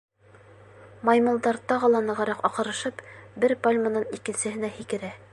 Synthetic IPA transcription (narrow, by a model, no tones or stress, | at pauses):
mɑjmŭlˠd̪ɑɾt̪ɑʁɤ̆lˠɑnɤ̆ʁɑɾɑqɑqɤ̆ɾɤ̆ʃɤpbɘɾpalʲmə̆nɤnikɘ̆nsɘ̆hɘ̆næhikɘ̆ɾæ